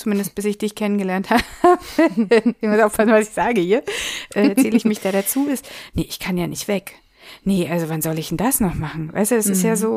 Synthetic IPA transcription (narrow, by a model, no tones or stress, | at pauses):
t͡sumɪndəst̚b̥ɪsɪçd̥ɪçkʰɛnənɡəlɛɐnthaːbəɛmusʔaʊfpʰasn̩vasɪ̥çz̥aːɡəhiːɐʔʔɛːt͡siːlɪçmɪçd̥aːɾat͡suːɪstnəʔɪçkʰanjaːnɪçtv̥ɛk | nəʔalzovanzɔlɪçd̥ɛndasnɔχmaχn̩va̰ɪstud̥asɪstjaːzoː